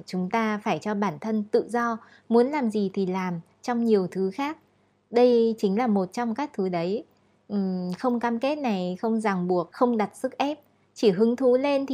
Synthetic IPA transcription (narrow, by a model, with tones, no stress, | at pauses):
t͡ɕʊ˨˦ŋ͡mt̪aː˧faː˧˩jt͡ɕɔ˧ɓaː˧˩nt̪ʰə˧nt̪ɨ̰˧˨zɔ˧ | mu˨˦ənlaː˨˩mzi˨˩t̪ʰi˨˩laː˨˩m | t͡ɕɔ˧wŋ͡mɲi˨˩əwt̪ʰɨ˨˦xaː˦˥k̚ | ɗə˧jt͡ɕï˨˦ŋ̟laː˨˩mo˨˩t̚t͡ɕɔ˧wŋ͡mkaː˦˥k̚t̪ʰɨ˨˦ɗə˨˦j | ʔ̩˨˩xə˧wŋ͡mkaː˧mke˦˥t̚na˨˩jxə˧wŋ͡mza˨˩ŋɓu˨˩ək̚xə˧wŋ͡mɗa˨˩t̚sɨ˦˥k̚ʔɛ˦˥p̚ | t͡ɕi˧˩ɦɨ˨˦ŋt̪ʰu˨˦le˧nt̪ʰ